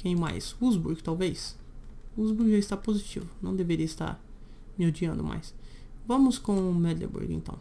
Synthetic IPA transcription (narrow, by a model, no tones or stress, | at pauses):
kẽj̃ma̰jsuzbuɾɡt̪awvejs | uzbuɾɡʒaɪst̪apozit͡ʃḭvʊnɐ̃w̃d̪eveɾiɐɪst̪a̰ɾ | mɪod͡ʒiɐ̃nd̪ʊmʔa̰jsvɐ̃mʊskõʊmɛd̪lḛbṵɾɡḛ̃nt̪ɐ̰̃w̃